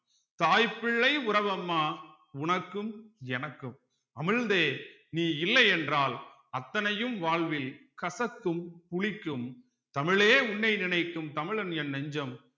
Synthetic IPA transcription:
t̪aːjpɪɭːɐɪʊɾɐʋɐmːaː | ʊɳɐkːɯmɛnɐkːɯm | ɐmɪɻnd̪eː | niːɪlːɐɛndraːl | ɐt̪ːɐnɐjɯmʋaːɭʋɪlkɐsɐkːɯmpʊɭɪkːɯm | t̪ɐmɪɭeːʊɳːɐɪnɪɳɐɪkːɯmt̪ɐmɪɭɐnjɛnːɐɲd͡ʒɐm

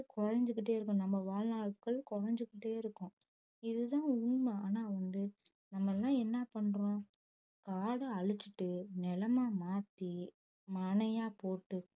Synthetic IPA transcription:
kɔɾɐɲd͡ʒɯkːɪʈ̬ːeːɪɾɯkːʊ̃nɐmːɐʋaːɻnaːɭkɐɭkɔɾɐɲd͡ʒɯkːɪʈːeːɪɾɯkːʊ̃ | ɪðɯt̪ãːʊɳmɐaːnaːʋɐnd̪ɯ | nɐmːɐlːãːɛnːɐpɐɳɾõː | kaːɽɯɐɻɯt͡ʃːɪʈːɯnɛlɐmaːmaːt̪ːi | mɐɳɐjaːpoːʈːɯ

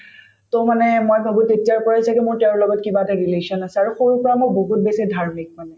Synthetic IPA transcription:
tomanɛmojbʱabutetijaɹpɔɹasakɛmʊɹtɛʊ̃ɹlɔɡɔtkibatɛɹileʃiɔnasɛaɹuxoɹupɔɹamoboɦut̚besidʱaɹmik̚manɛ

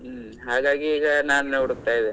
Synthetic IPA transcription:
ɦaːɡaːɡiːɡɐnaːnneuɽuk̚t̪aːjid̪e

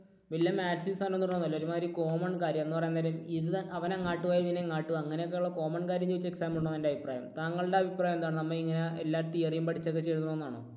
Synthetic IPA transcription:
ʋɐljɐmaːʈsinsaːnoenːuɾnːonːɐlːoɾumaːɾiko̞ːmɐɳɖkaːɾjɐmenːupɐrɐjanɐlɐmiðɐʋɐneŋaːʈːuʋaːjɐʋineŋaːʈːuɐŋːɐnejkːeːuɭːɐko̞ːmɐɳɖkaːɾjɐmd͡ʑuʋit͡ɕːue̞ksaːmuɳːoɐendeɐbʱipraːjɐ̰mt̪aːŋːɐɭɨɽe̞ɐbʱipraːjɐmend̪aːɳnɐmːɐiŋːɐneelːaːt̪ːijɐrijumpɐʈʰit͡ɕːɐkːet͡ɕːe̞jɾuunoenːaːɳɨ̰

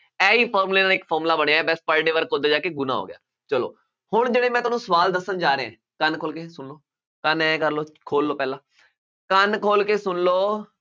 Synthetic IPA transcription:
ɛːiːpʰɔːɾmleːnaːlɪkpʰɔːɾmlaːbəɽejaɛːbɛːspəɾɖeːʋəɾkod̪eːd͡ʒaːkeɡʊna̰ːɦo̰ːɡɪja̰ː | t͡ʃəlo̰ː | hʊɳd͡ʒeːɽeːmɛ̃ːt̪ʊːnũːsəʋaːld̪əsːənd͡ʒaːɾeːɛ̰̃ː | kənkʰoːlkeːsʊnloː | kənɛ̃ːkəɾloːkʰoːlːoːpɛːlãː | kənkʰoːlkeːsʊnloː

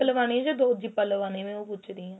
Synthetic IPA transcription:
əlʋaːñĩɛ̃d͡ʒoːd̪oːd͡ʒiːpəlʋaːnẽːmẽoːpʊt͡ʃɾiːɦãː

